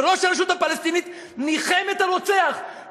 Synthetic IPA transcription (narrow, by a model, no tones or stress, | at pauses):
ʁo̞ʃhaɾeʃ̬ut̪hapalest̪init̪ | niχemet̪aɾot͡seaχ